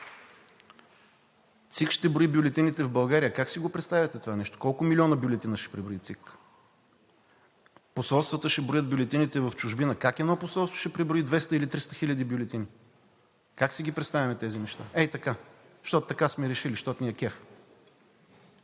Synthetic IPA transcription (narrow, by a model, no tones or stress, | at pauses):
t̪sikʃt̪ɛbɾoibjʊlɛt̪init̪ɛvbɐlˠɡaɾijəkaksiɡopɾɛt̪st̪avʲjət̪ɛt̪ovanɛʃt̪o̥kɔlˠkʊmilʲiɔnəbjʊlɛt̪inəʃɛ̥pɾibɾoit̪sik | posɔlˠst̪vət̪əʃɛbɾojəd̪̚bʲjʊlɛt̪init̪ɛvəft͡ʃʊʒbinəkakɛd̪nɔposɔlˠst̪vo̥ʃɛpɾibɾoid̪vɛst̪əilit̪ɾist̪əxilʲəd̪ibjʊlʲɛt̪ini | kaksiɡ̟ʲipɾɛt̪st̪avʲɐmɛt̪ɛzinɛʃt̪a̰ʔɛt̪ɐka | ʃt̪ɔt̪ʊ̥t̪ɐkasmɛɾɛʃiliʃt̪ɔt̪niɛkɛf